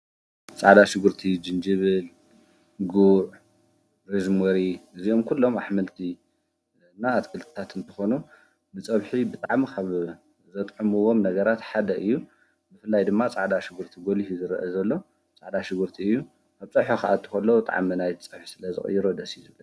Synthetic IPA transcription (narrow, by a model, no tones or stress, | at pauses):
t͡sʼa̰ʕd̪aʃɨɡɨɾt̪ʰid͡ʒɨnd͡ʒɨβɨl | ɡuɾʔ | ɾizmwɔɾiɨzio̞mkʰulːo̞maħmɨlt̪ʰi | nːaːt̪kʰɨlt̪ʰɨ̥t̪ʰat̪ɨnt̪ʰɨ̥xo̞nu | nɨt͡sʼɐβħibɨt̪ʼaʕmikʰaβ | zɐt̪ʼʕɨmɨwo̞mnɐɡɐɾat̪ħad̪ɐʔɨjːu | bɨfɨlːajd̪ɨmːat͡sʼaʕd̪aʃɨɡɨɾt̪ʰiɡo̞lihizɨɾʔɐzɐlːo̞ | t͡sʼaʕd̪aʃɨɡɨɾt̪ʰiɨjːu | aβt͡sʼɐħoxaʔa̰t̪ʰːɨ̥kɐlːot̪ʼa̰ʕminajt͡sʼɐβħi̥sɨlɐzɨ̰xʼɨ̰jːɪɾod̪ɐsizɨlɐ